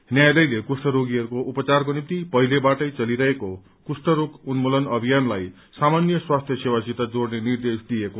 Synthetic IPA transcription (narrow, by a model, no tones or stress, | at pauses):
njajlʌjlekusʈʌɾoɡiʌɾukoʔupʌt͡sarkonipt̪ipʌɦilebaʈʌjt͡sʌliɾʌɦeko | kusʈʌɾokunmolʌnʌbʱijanlaj | samanjʌswast̪ʰjʌsewasit̪ad͡zornenird̪esd̪ijeko